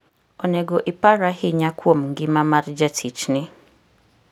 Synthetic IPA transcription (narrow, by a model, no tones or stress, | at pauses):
ɔnɛɡoʔɪpaɾahɪɲakwomŋ̩ɡɪmamaɾd͡ʒatʰit͡ʃnɪ